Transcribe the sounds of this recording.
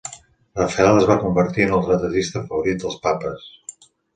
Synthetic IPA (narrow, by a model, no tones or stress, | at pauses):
ləfɛaləzβakumbəɾt̪iənəlˠt̪ɾət̪əðist̪əfəβuɾit̪̚d̪əlˠspapəs